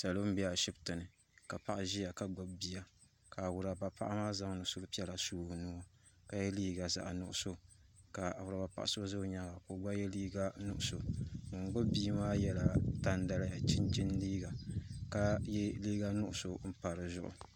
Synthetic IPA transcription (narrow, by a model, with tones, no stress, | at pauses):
sa˨lo˦m̩˦bi˦a˨ʃi˦btɨ˨nɨ˨ | ka˨pa˦ʔa˦ʒi˦ja˨ka˨ɡ͡bo˦bbi˦a˨ | ka˨wʊ˨ɾa˨ba˨pa̰˦ʔa˦maː˦za˦ŋ˦nʊ˨ʔsʊ˦ɾpi˦ɛ˦la˨suː˦˨nu˦o˦ | ka˦jɛ˦liː˦ɡa˨za̰˨ʔa˨nʊ̰˨ʔʊ˨so˦ka˨wʊ˨ɾa˨ba˨pa̰˨ʔa˦so˦zo˦ɲa˦ɡa˨ko˨˦ɡ͡ba˦jɛ˦liː˦ɡa˦nʊ˦˨ʔʊ˨so˨nʊ˨ŋ˨ɡ͡bo˦bːiː˦maː˦jɛ˦la˨ta˦n˦da˦la˦ja˨t͡ʃi˦nt͡ʃi˦n˦diː˦ɡa˨ka˦jɛ˦liː˦ɡa˦nʊ˦ʔʊ˨so˨m̩˦pa˨ɾɨ˨zʊ̰˦ʔʊ̰˨